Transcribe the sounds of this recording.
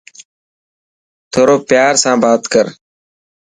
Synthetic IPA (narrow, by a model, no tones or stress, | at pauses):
t̪ʰoːɾoːpjaːɾsãːbaːt̪kəɾ